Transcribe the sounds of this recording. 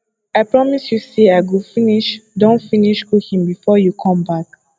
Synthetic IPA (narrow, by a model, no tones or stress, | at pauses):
aɪpɹɔmisjuseaɪɡufiniʃdõntfiniʃkuhĩmbifɔjukʰɔ̃mbak̚